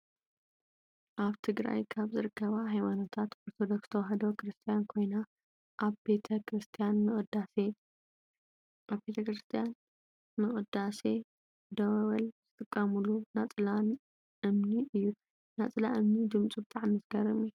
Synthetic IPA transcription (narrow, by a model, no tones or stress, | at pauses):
ʔaβt̪ʰɨɡɾa̰jkʰaβzɨɾɨkʰːɐβaɦajmanot̪ʰat̪oɾt̪ʰod̪o̞kst̪ʰɐwɦɐd̪okɾɨst̪ʰijankʰo̞jna | ʔaβbe̞t̪ʰɐkɾɨst̪ʰijanmɨχʼd̪ase | ʔaβbe̞t̪ʰɐkɾɨst̪ʰijan | mɨχʼɨd̪ase̞ | d̪ɐwɐwɐlz̥ɨt̪ʼɨkʼːɐmulunat͡sʼɨlan | ɨmniʔɨjːu | nat͡sʼɨlaʔɨmnid̪ɨmt͡sʼubɨt̪ʼaʕnmɨzɡɐɾɨmi